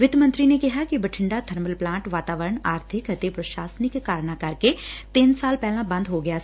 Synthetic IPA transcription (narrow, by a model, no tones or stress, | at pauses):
ʋɪd̪mə̃nt̪ɾinekɪɦakibəʈʰɪ̃ɳɖat̪ʰɐɾməlplãːʈʋaːt̪aːʋəɾəɳaːɾt̪ʰɪkɦɐt̪epɾɐʃaːsənɪkːaːɾɳ̃akɐɾket̪iːnsaːlpɛːlãbɐ̃nd̪ɦoɡɐjaː